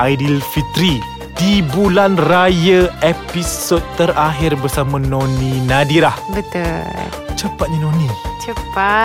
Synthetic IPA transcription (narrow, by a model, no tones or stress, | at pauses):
ʔajdilfit̪ɾi | d̥ibulanrajəepisot̪̚t̪əɾaɦɪrbərsamãnõnĩnadiɾahbət̪ul | t͡ʃəpat̪̚ɲinõnĩt͡ʃəpa